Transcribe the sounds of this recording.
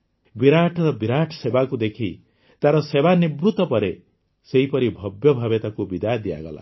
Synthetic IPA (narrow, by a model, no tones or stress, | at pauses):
biɾaʈʰɾɔbiɾaʈʰsebakud̪ekʰi | t̪aɾɔsebanibɾut̪ɔpɔɾe | seipʌɾibʱʌbjɔbʱabjet̪akubid̪ajd̪ija̰ɡɔla̰